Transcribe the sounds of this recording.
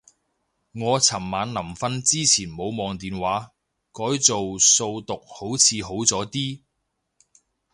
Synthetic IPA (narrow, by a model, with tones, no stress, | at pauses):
ŋɔː˨˧t͡sʰɐ˨˩mːaː˨˧nnɐ˨˩mfɐ˥nt͡siː˥t͡sʰiː˨˩nmo˨˧wmɔː˨˧ŋt̪iː˨nwaː˨˥ | kɔː˨˥jt͡so˨wso˧wt̪ʊ˨k̚ho˨˥wt͡sʰiː˨˧ɦo˨˥wt͡sɔː˨˥t̪iː˥